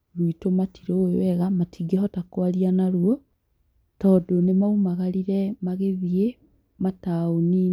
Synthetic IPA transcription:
luitomatʰiɾeoj̰wɛɣamatʰiɡehɔtakwaɾianaɾuɔ | tɔdonemaumaɣaɾiɾɛmaɣeðie | mataoni

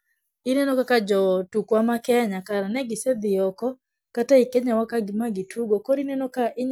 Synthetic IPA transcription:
ɪnɛnɔkakad͡ʒɔtukwamakɛɲakaɾanɛɡɪsɛd̪ɪɔkɔ | kataikɛɲawakaɡɪmaɡitʰuɡokoɾinɛnɔkaʔɪɲ

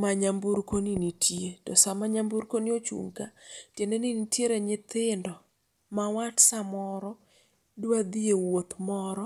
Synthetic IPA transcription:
maɲambuɾkoninitʰjetɔsamaɲambuɾkoniot͡ʃṵŋkatjeneninitjeɾeɲɪt̪ɪndɔ | mawatsamɔɾɔ | duad̪iewot̪mɔɾɔ

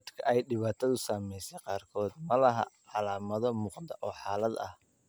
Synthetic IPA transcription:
d̪kʰɐʔɛjɖɪβaːt̪ʰɐðʊsaːmɛjsɛqɑːrkʰɔːd̪mɐlɐɦɐ̰ʕɑlaːmɐðɔmʊːqd̪ɐʔɔːħɑːlɐd̪ɐh

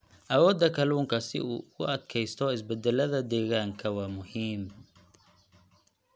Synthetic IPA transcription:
ʔɐwɔːd̪ɐkʰɐluːŋkʰɐsɪ̰ṵːkʊ̰ɐd̪kʰɛjst̪ʰɔɪsbɛd̪ɛlɐðɐd̪ɛːɣaːŋkʰɐwɑːmʊhiːm

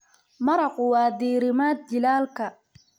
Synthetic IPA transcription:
mɐɾɐqʊwɑːd̪iːɾɪmaːd̪̚d͡ʒɪlaːlkʰɐ

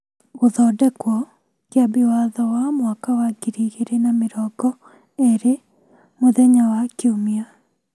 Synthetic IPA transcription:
oðɔdɛkwɔ | kjabiwaðɔwamwakawaɡiɾiɣeɾenameɾɔɡɔ | eɾe | moðɛɲawakiomia

